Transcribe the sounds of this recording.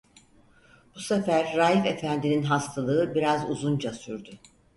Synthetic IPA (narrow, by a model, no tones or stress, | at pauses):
b̥usefæɾːaːjife̞fænd̪ininɦast̪ʰalˠɯɯbiɾazṵzund͡ʒasyɾd̪y